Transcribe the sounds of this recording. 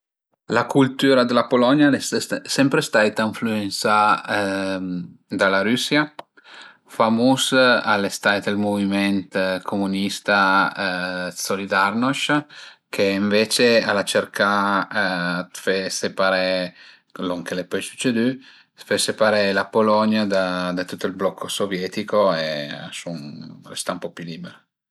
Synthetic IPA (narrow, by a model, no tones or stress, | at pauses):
lakult̪uːɾad̪elapolɔnjalessɛmpɾest̪ajt̪aiɱfluensa | d̪alaɾysja | famusalest̪ajt̪elmovimɛnt̪kʰomunist̪a | solid̪arnoʃkʰeiɱvet͡ʃealat͡ʃeɾka | t̪fesepaɾɛ | loŋkelepɔjsu̥t͡ʃːed̪y | fesepaɾɛlapolɔɲjad̪ad̪at̪ut̪ːoilblɔkʰːosovjɛt̪ikoea̰sunrḛst̪aumpɔpuliːbeɾo